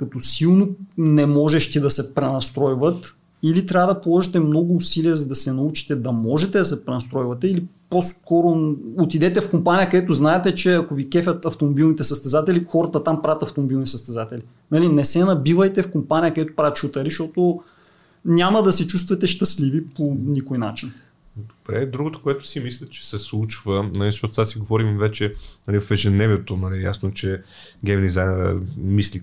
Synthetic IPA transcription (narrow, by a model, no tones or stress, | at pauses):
kɐt̪ɔsilˠnonɛmɔʒɛʃt̪id̪ɐsɛpɾɛnɐst̪ɾɔjvət̪ | ilit̪ɾʲavəd̪ɐpolˠɔʒit̪ɛmnɔɡʊːsiliɛzɐd̪ɐsɛnɐut͡ʃi̥t̪ɛd̪ɐmɔʒɛt̪ɛd̪ɐsɛpɾɛnɐst̪ɾɔjvɐt̪ɛiliposkɔɾoot̪id̪ɛt̪ɛfkompanijəkəd̪ɛt̪ʊznaɛt̪ɛt͡ʃɛɐkovikɛfʲɐt̪ɐft̪omobilˠnit̪ɛsɐst̪ɛzat̪ɛlixɔɾət̪ət̪ampɾavət̪ɐft̪omobilˠnisəst̪ɛzat̪ɛli | nɐlinɛsɛnɐbivəjt̪ɛfkompanijəkəd̪ɛt̪o̥pɾavʲət̪ʃut̪ɐɾiʃt̪ɔt̪o | nʲaməd̪ɐsɛt͡ʃust̪vɐt̪ɛʃt̪əsliviponikojnat͡ʃin | d̪obɾɛ̰d̪ɾuɡot̪o̥koɛt̪ʊ̥simislʲɛt͡ʃɛ̥sɛslˠut͡ʃvənɐlizʃtɔt̪osasiɡovɔɾimvɛt͡ʃɛnɐlifvɛʒɛd̪nɛviɛt̪onɐlija̰snot͡ʃɛ | ɡʲɛmd̪izajnɾɛ̰misli